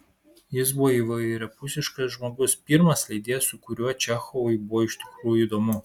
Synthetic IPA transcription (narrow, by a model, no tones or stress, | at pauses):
jɪsbʊʋɔiʋɐɾʲɐpʊsʲɪʃkɐsʒmoːɡʊspʲiɾmɐslʲɛɪd̪ʲeːjɛsʊkʊɾʲuɔt͡ʃʲæxɔʋʊɪbʊʋɔɪʃʲt̪ʲɪ̥kɾuːjʊiːd̪oːmʊ